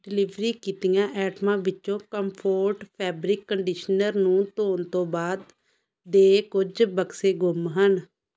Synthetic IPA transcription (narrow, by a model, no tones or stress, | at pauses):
ɖɪlɪʋɾiːkiːt̪ɪjãːʔɛːʈmãːʋɪt͡ʃːõːkəmpʰoːɾʈpʰɛːbɾɪkːəɳɖiːʃnəɾnũːt̪oːnt̪õːbaːd̪ː | eːkʊd͡ʒbəkseːɡʊmɦən